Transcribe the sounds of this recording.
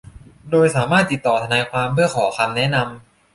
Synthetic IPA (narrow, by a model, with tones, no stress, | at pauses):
doː˧jsaː˩˦maː˥˩t̪ːi˨˩t̪ːɔː˨˩t̪ʰa˧naː˧jkʰwaː˧mpʰɯ˥˩ɐkʰɔː˩˦kʰa˧mnɛ˦˥na˧m